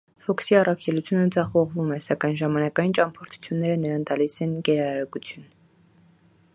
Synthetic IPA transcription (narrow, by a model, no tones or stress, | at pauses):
fɔksiɑrɑkʰɛlut͡sʰjunəd͡zɑχɔʁvumɛsɑkɑjnʒɑmɑnɑkɑjint͡ʃɑmpʰɔɾt̪ʰu̥t͡sʰjunːɛɾənəɾɑnt̪ɑlisɛnɡɛɾɑɾkut͡sʰjun